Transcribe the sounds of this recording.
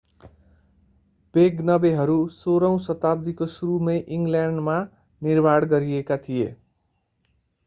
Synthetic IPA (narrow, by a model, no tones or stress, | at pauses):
b̥eɡnʌbeɦʌɾusoɾʌw̃sʌt̪abd̪ikosuɾumʌjʔiŋɡljaɳɖma | nirbaɽɡʌɾiekat̪ʰijḛ